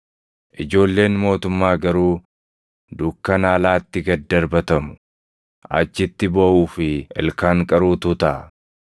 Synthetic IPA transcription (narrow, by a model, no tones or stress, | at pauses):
ʔɪd͡ʒo̞ːlːe̞ːnmo̞ːt̪ʊmːaːɡɐɾuː | d̪ʊkːɐnaːlaːt̪ːɪɡɐd̪ːɐɾbɐt̪ɐmʊ̥ | ʔɐ̰t͡ʃːɪt̪ːɪboʔuːfɪɛ̰lkaːŋkʼɐɾuːt̪ut̪ɐʔɐ